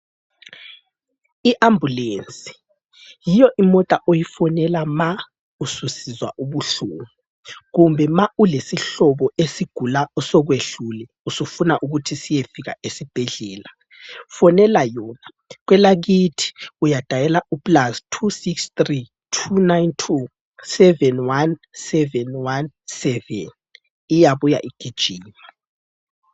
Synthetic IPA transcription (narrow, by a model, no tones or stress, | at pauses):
iʔambʱuleːnt͡sʼi̥ | jijɔʔimɔtʼaʔojifɔnɛlama | ususizwa̰ʔuβuɬuːŋu | ɣumbʱɛmaulesiɬɔβɔesiɡ̥ʱulaɔsɔɣweɬulɛ | usufunaʔuɣutʰisijefiɣa̰esib̥ʱɛɮɛːla | fɔnɛlajɔːna | ɣwɛlaɣitʰi̥ujad̥ʱajɛlaupʼlastʰusikstri | tʰunajntʰu | sɛvɛnwansɛvɛnwansɛvɛ̰n | ijaβuja̰ʔiɡ̥ʱid̥ʒ̥ʱiːma